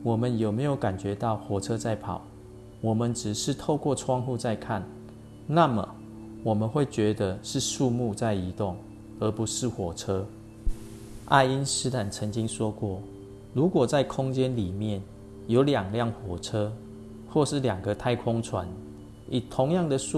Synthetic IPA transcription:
wɔ˨˩mə˦njo˨˩ʊme˧˥ɪjo˧˦ʊka˨˩nt͡ɕɥɛ˧˦t̪ɑ˥˨ʊxwɔ˨˩ʈ͡ʂʰɤ˥˦t͡sa˥˩ɪpʰɑ˨˩˦ʊ | wɔ˨˩mə˨˦nʈ͡ʂɻ̩˨˩ʂɻ̩˥˧t̪ʰo˥˧ʊkwɔ˥˨ʈ͡ʂʰwɑ˥˧ŋxu˥˧t͡sa˥˧ɪkʰa˥˨n | na˥˨mə˩ | wɔ˨˩mə˨˦nxwe˥˩t͡ɕɥɛ˧˥d̪ə˧ʂɻ̩˥˧ʂu˥˧mu˥˧t͡sa˥˩ɪi˧˦t̪ʊ˥˩ŋ | ə˨˧˦pu˨˦ʂɻ̩˥˩˨xwɔ˨˩ʈ͡ʂʰɤ˥ | ʔa̰˥˧ɪi˦nsɻ̩˥t̪ʰa˨˩nt͡sʰə˧˦ŋt͡ɕi˦ŋʂwɔ˦kwɔ˥˩ | lu˨˥kwɔ˨˩t͡sa˥˩ɪkʰʊ˦ŋt͡ɕjɛ˦nli˨˩mjɛ˥˩n | jo˧˦ʊljɑ˨˩ŋljɑ˥˩ŋxwɔ˨˩ʈ͡ʂʰɤ˦ | xwɔ˥˧ʂɻ̩˥˩ljɑ˨˩ŋɡə˦t̪ʰa˥˧ɪkʰʊ˦˥ŋt͡sʰwa̰˧˦n | i˨˩t̪ʰʊ˨˧˦ŋjɑ˥˨ŋd̪ə˨ʂu˥˨

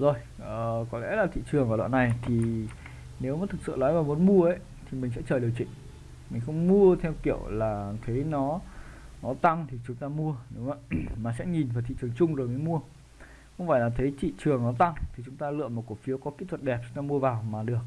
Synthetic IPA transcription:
zo˨˩j | ʔəː˨˩kɔ˨˦lɛ̰˧˥laː˨˩t̪ʰḭ˧˨t͡ɕɨ˨˩əŋvaː˨˩ɗa̰ː˧˨na˨˩jt̪ʰi˨˩ | ne˨˦wmaː˨˩t̪ʰɨ˨˩k̚sɨ̰˧˨lnɔ˨˦jvaː˨˩wmo˨˦nmu˧əʔə˨˦j | t̪ʰi˨˩mi˨˩ŋ̟s̬ɛ̰˧˥t͡ɕəː˨˩ɗi˨˩əwt͡ɕḭ˧˨ŋ̟ | mï˨˩ŋ̟xə˧wŋ͡mmu˧ət̪ʰɛ˧wkḭ˧˩əwlaː˨˩t̪ʰə˨˦jnɔ˨˦nɔ˨˦t̪a˧ŋt̪ʰi˨˩t͡ɕʊ˨˦ŋ͡mt̪aː˧mu˧əne˨˦wmaː˧˨maː˨˩sɛ̰˧˥ɲi˨˩nvaː˨˩t̪ʰḭ˧˨t͡ɕɨ˨˩əŋt͡ɕʊ˧ŋ͡mzo˨˩jmə˨˦jmu˧ə | xwŋ͡mfa̰ː˧˨laː˨˩t̪ʰə˨˦jt̪ḭ˧˨t͡ɕɨ˨˩əŋnɔ˨˦t̪a˧ŋt̪ʰi˨˩t͡ɕʊ˨˦ŋ͡mt̪aː˧lɨ̰˧˨əjmo˨˩t̚ku˧˩fi˨˦əwkɔ˨˦ki˧˦˥t̪ʰwə˨˩t̚ɗɛ˨˩p̚t͡ɕʊ˨˦ŋ͡mt̪aː˧mu˧əvaː˨˩wmaː˨˩ɗɨ˨˩ək̚

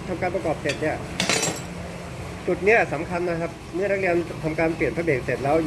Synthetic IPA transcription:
t̪ʰa˧mkaː˧npɾa˧kɔː˨˩p̚seː˨˩t̪̚ni˦˥˩ɐ | t͡ɕu˨˩t̪̚ni˦˥ɐsa˩˦mkʰa˧nːa˦˥kʰa˦˥p̚mɯ˥˩na˦˥k̚li˧ənt̪ʰa˧mkaː˧npli˨˩ənpʰa˥beː˨˩k̚seː˨˩t̪̚lɛː˦˥w

